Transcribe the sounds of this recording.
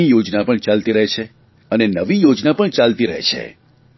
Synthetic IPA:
ijod͡ʒnapəɳt͡ʃalt̪iɾəɦet͡ʃʰe | ənenəʋijod͡ʒnapəɳt͡ʃalt̪iɾəɦḛt͡ʃʰḛ

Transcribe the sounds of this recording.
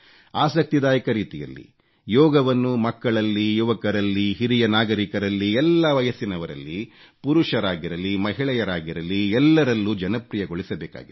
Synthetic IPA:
aːsɐk̚t̪id̪aːjɐkɐɾiːt̪ijɐ̰lːḭ | jɔːɡɐʋɐnːumɐkːɐɭɐlːijuʋɐkɐɾɐlːiɦiɾijɐnaːɡɐɾikɐɾɐlːiɛlːɐʋɐjɐsinɐʋɐɾɐ̰lːi | puɾuʂɐɾaːɡiɾɐlimɐɦiɭɛjɐɾaːɡiɾɐlːiɛlːɐɾɐlːud͡ʒɐnɐpɾijɐɡoɭisɐbɛːka̰ːɡi

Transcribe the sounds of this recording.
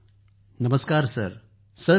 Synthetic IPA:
nɐməskaːɾsɐ̰ɾ | sɐɾ

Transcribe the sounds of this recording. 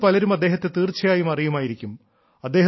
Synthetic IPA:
pɐlɐɾumɐd̪ːe̞ːɦɐt̪ːe̞t̪iːrt͡ɕʰːɐjaːjumɐrijumaːjiɾikʲːum | ɐd̪ːe̞ː

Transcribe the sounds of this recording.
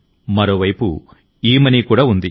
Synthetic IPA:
mɐɾoːʋɐjpṵ | iːmɐnikuːɽaːund̪ḭ

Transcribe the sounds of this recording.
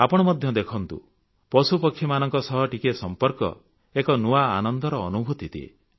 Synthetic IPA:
apɔɽ̃ɔmɔd̪ʱjɔd̪ekʰɔnt̪ṵ | pɔsupɔkʰːjimanɔŋkɔsɔɦɔʈikesɔmpɔɾkɔ̰ | ekɔnuaːnɔnd̪ɔɾɔːnubʱut̪it̪iḛ

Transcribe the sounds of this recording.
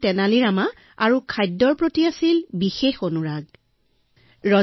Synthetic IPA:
tɛnaliɹama | aɹukʰajdːɔɹpɹotiasilbixexonuɹaɡ | ɹɔ

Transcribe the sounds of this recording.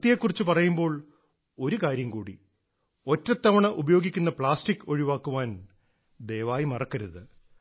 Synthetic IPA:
t̪ːijekːurit͡ɕːupɐrɐjumbo̞ːɭ | o̞ɾukaːɾjɐmkuːɽḭ | o̞tːɐt̪ːɐʋɐɳɐʔubɐjo̞ːɡikʲːunːɐpɭaːsʈikːo̞ɻiʋaːkːuʋaːn | d̪ejʋaːjimɐrɐkːɐɾuðɨ

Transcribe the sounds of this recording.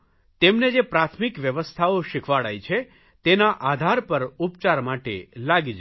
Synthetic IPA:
t̪emned͡ʒepɾat̪ʰmikʋjəʋəst̪ʰaoʃikʰʋaɽa̰jt͡ʃʰe | t̪enaʔad̪ʱaɾpəɾupt͡ʃaɾmaʈḛlaɡid͡ʒ

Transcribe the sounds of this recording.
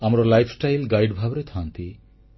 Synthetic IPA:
amɾolajfʰsʈajlɡajɖbʱabɾet̪ʰant̪i

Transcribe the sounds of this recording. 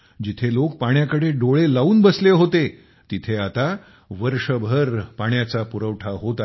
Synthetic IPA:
d͡ʑit̪ʰelok̚paɳ̃jakəɽeɖoɭelauːnbəsleɦot̪e | t̪it̪ʰeat̪a | ʋəɾʂəbʱəɾpaɳjat͡sapuɾəʋʈʰaɦot̪a

